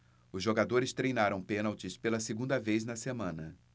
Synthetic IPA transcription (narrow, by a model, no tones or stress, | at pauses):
ʊzʒoɡad̪oɾɪst̪ɾejnaɾɐ̃w̃pẽnawt͡ʃɪspelɐseɡũnd̪ɐvejznɐsemɐ̃nɐ